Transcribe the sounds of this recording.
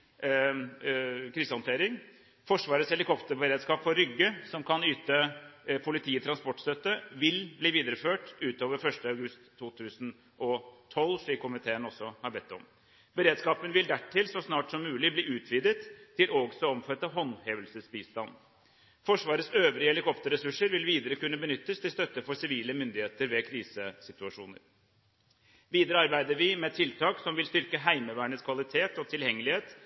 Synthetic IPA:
kʰɾiːsəhɔnt̪eːɾɪŋ | fɔʂʋɑːɾəsɛlɪkɔpt̪əɾbəɾeːd̪skɑːpfɔɾʏɡːəsɔmkʰɑnyːt̪əpʰʊlɪt̪ʰiːət̪ʰɾɑnspɔʈːst̪œt̪ːəʋɪlbliːʋiːd̪əɾəføːʈʉːt̪oːʋəɾfœʂʈəɑʉɡʉst̪ʰːuːt̪ʰʉːsən | ʔɔt̪ʰɔlʂɭiːkkʰːʊmɪt̪ʰeːənɔsːɔhɑɾbɛt̪ːɔ̰m | bəɾeːd̪skɑːpənʋɪld̪æʈʰːɪlsɔsnɑːʈsɔmːʉːlɪbliːʉːt̪ʰʋiːd̪ət̪ʰːɪloɡsɔɔmfœt̪ːəɦɔnheːʋəlsəsbiːst̪ɑnː | fɔʂʋɑːɾət̪søːʋɾɪɛlɪkʰɔpt̪əɾɛsʉʂːəɾʋɪlʋiːd̪əɾəkʉnːəbənʏt̪ːəst̪ʰɪlst̪œt̪ːəfɔsɪʋiːləmʏnd̪ɪheːt̪əɾʋɛkʰɾiːsəsɪt̪ʉɑʂṵːnə̰ɾ | ʋiːd̪əɾəɑɾbæɪd̪əɾʋɪmɛt̪ʰɪlt̪ʰɑːksɔmʋɪlst̪ʏɾkəɦæɪməʋæːɳət̪skʰʋɑlɪt̪ʰeːt̪ɔt̪ʰɪljɛŋːəlɪheːt̪

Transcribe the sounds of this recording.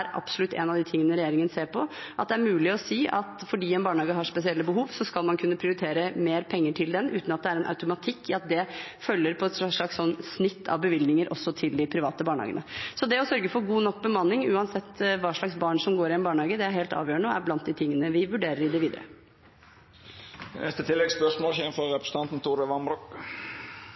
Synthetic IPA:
æɾʔɑ̰psʊlʉt̪ːɛ̰nɑʋd̪ɪt̪ʰɪŋːənəɾɛjeːɾɪŋənseːɾpʰɔ | ʔɑt̪̚d̪ɛæɾmʉːlɪɔsiːʔɑt̪fɔɖiːɛnbɑːɳhɑːɡəɦɑʂpɛsɪɛlːəbəɦuːʋsɔskɑlmɑnkʰʉnːəpʰɾɪʊɾɪt̪ʰeːɾəmeːɾpʰɛŋːəʈʰɪld̪ɛnʔʉ̰ːt̪nɑt̪̚d̪ɛæɾɛnʔa̰ʉt̪ʊmɑt̪ʰɪkːɪɑt̪̚d̪ɛfœlːəɾpʰɔɛt̪ʂɑʂlɭɑkssɔnːsnɪt̪ʰːɑ̰ʋbəʋɪlnɪŋəɾʔɔsːɔt̪ʰɪld̪ɪpʰɾɪʋɑːt̪əbɑːɳhɑ̰ːɡə̰nə̰sɔd̪ɛɔsœɾɡəfɔɾɡuːnɔkːbəmɑnːɪŋʉːɑnsɛt̪ːʋɑːʂɭɑksbɑːɳʂɔmɡoːɾɪɛnbɑːɳəhɑːɡəd̪ɛæɾheːlt̪ɑ̰ːʋjøːɳəɔæ̰ɾblɑnt̪̚d̪ɪt̪ʰɪŋːənəʋɪʋʉɖeːɾəɾɪd̪ɛʋiːd̪əɾə̰ | nɛst̪ət̪ʰɪlːɛɡspœʂmoːlçenfɔɾɛpɾəsə̥ɑnt̪n̩t̪ʰuːɾəʋɑnbɾuk

